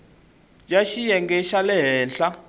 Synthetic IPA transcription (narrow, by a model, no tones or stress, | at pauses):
jaʃijɛŋɡɛʃalɛɦɛːnɬa